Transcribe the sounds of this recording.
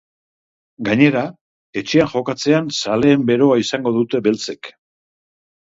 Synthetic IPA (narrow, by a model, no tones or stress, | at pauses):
ɡaɲe̞ɾa | e̞t͡ʃe̞aʝo̞kat͡se̞ansale̞ːmbe̞ɾo̞aisaŋɡo̞ðut̪e̞βe̞lt͡se̞k